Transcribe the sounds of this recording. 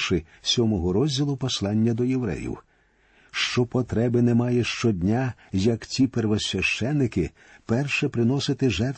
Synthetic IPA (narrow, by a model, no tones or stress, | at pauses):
ʃɪ | sʲɔmɔɦɔɾɔzʲdʲilˠʊpɔslˠɑnʲːɐd̪ɔjewɾɛ̰jḭw | ʃt͡ʃɔpɔt̪ɾɛbɪnɛmɑjɛʃt͡ʃɔdʲnʲajɐkt͡sʲiperʋɔsʲʋʲɐʃt͡ʃɛnːɪkɪ | pɛrʃɛpɾɪn̪ɔsɪt̪ɪʒɛrt̪